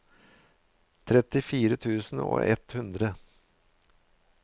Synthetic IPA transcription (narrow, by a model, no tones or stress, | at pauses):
t̪ʰɾɛt̪ɪfiːɾət̪ʰʉːsn̩o̰ːʔɛ̰t̪hʉnd̪ɾə